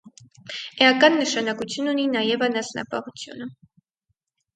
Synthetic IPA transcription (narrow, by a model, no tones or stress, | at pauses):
ɛɑkɑnːəʃɑnɑkut͡sʰjununinɑjɛvɑnɑsnɑ̰pɑ̰ʁut͡sʰjṵnə